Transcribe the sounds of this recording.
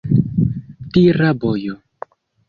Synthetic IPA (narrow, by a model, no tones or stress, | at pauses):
tiɾabojo